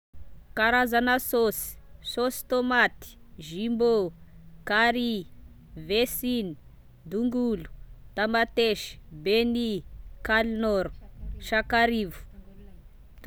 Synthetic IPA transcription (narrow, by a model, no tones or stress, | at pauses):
kaɾazanasosi̥sosi̥t̪omat̪i̥ | ʒimbokaɾi | vesini̥ | d̪uŋɡulu̥t̪amat̪eʃi̥benikalnoɾu̥ʃakaɾivu̥